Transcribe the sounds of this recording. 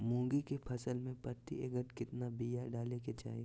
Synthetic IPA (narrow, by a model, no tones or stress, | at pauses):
mõːɡikepʰɐsəlmẽpət̪ḭeɡəʈkɪt̪nabijaɖaːleket͡ʃa̰ːi